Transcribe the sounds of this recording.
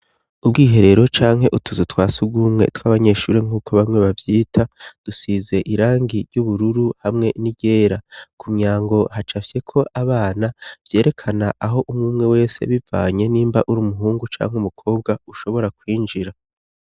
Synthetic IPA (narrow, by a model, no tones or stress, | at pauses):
ubɡiːɦe̞ɾe̞ɾo̞t͡ʃaːŋ̥ɦe̞ʔutʰuzutwaːsuɡumŋe̞̰twaːβaɲe̞ʃṵːɾiŋ̥uːkʰoβamŋwe̞βavjiːtʰad̥usize̞ʔiɾaːŋɡiɾjuβuɾuɾuhamŋe̞niɟe̞ːɾakumɲaːŋɡo̞hat͡ʃafje̞kʰo̞ʔaβaːnab̥je̞ːɾe̞kʰanaʔaɦo̞ʔumŋuːmŋe̞we̞ːse̞̰βiva̰ːɲe̞niːmba̰ʔuɾuːmuɦuːŋɡut͡ʃa̰ːŋhumukʰo̞ːb̚ɡauʃo̞βo̞ɾakwiːnd͡ʒiɾa